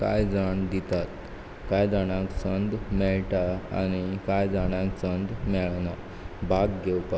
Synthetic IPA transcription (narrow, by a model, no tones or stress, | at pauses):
ka̰jd͡zaɳ̃d̪it̪at̪ | kajd͡zaɽ̃ãksənd̪mɛɭʈaa̰ñikajd͡zaɽ̃ãksənd̪mɛɭna | bʱaɡɡewpa